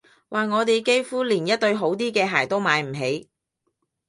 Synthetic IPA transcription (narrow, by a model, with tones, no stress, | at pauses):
wʔaː˨˩ŋɔː˨˧t̪e˨jke˥jfuː˥liː˨˩njɐ˥t̚t̪ɵ˧ɥɦo˨˥wt̪̬iː˥kɛː˧ɦaː˨˩jt̪o˥wmaː˨˧jm̩˨˩ɦe˨˧j